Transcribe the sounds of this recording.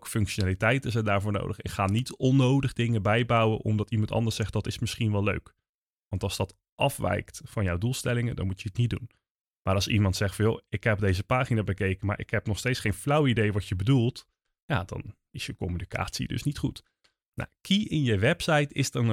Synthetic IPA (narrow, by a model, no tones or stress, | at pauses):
kə̥fɵŋkʃonaːlitɛjtəzɛndaːɹvʊːɹno̰wdəχɪ̰kχaːnitɔnːowdəχdɪŋəbɛjbɑwəʔɔ̰mdɑtimɑntɑ̰ndəsɛχt̚dɑtɪsmɪsχinʋɛlˠø̰ɥk | ʋɑntɑlˠzd̥ɑt | ʔɑfʋɛ̰jktfɑnjɔwdulˠstɛlɪŋədɑ̰nmucjəɦətnit̚dṵn | maːɾɑlˠsḭmɑntsɛχtfɑnjo̰ɪkɦɛp̚dejzəpaːχinaːbəkejkənma̰ːɹʔɪ̰kɦɛpnɔχstejtsχejnflʌwidejʋɑtjəbədulˠt | jaːdɑ̰n | ɪsjəkɔmynika̰ːtsḭdɵ̰snitχut | na̰kʰiɪnjəʋɛpsɑjtɪ̰sdɛɹ